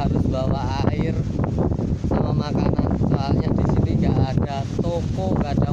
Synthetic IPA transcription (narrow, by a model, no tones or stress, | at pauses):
aɾʊsbawaaɪr | samamakanansaɦalɲad̥isiniŋɡaʔːd̥at̪ɔkɔŋɡaad̥a